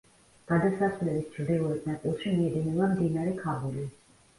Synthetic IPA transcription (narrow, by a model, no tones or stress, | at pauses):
ɡ̥ad̪asasvlɛbisd͡ʒɾd̪iuɾɛt̪nɛpʼulˠʃimiɛd̪inɛbamd̪inaɾɛkʰabuli